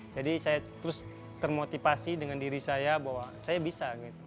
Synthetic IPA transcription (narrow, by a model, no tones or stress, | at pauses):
d͡ʒadisajat̪əɾʊs | t̪ərmot̪ifasidəŋandiɾisajabawasajabisaɡit̪u